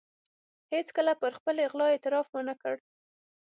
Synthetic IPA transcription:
het͡skəlapəɾxpəleɣlɑet̪ɪɾɑfmənakəɽ

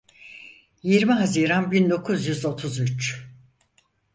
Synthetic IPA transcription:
jiɾmiɦaziːɾanbind̪o̞kʰuzjyzo̞t̪ʰuzyt͡ʃ

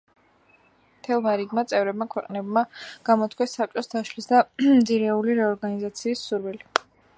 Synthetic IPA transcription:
mt̪ʰɛlˠmaɾiɡmat̪sʼɛvɾɛb̚makʰwɛqʼnɛbmaɡ̥amɔt̪ʰkʰwɛsːap̚t͡ʃʼɔsd̪aʃlisd̪amd̪ziɾɛuliɾɛɔɾɡanizat̪sʰiːsːuɾwili

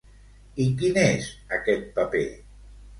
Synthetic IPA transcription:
ikinezəkɛt̪̚pəpḛ

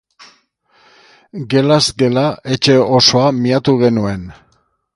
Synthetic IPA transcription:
ɡe̞lazɡe̞lae̞t͡ʃe̞o̞so̞amiat̪uɣ̞e̞nue̞n

